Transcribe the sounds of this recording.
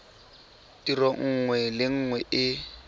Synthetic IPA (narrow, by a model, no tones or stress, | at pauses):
tirɔŋ̩ːŋwɛlɪŋ̩ːŋwɛʔɪ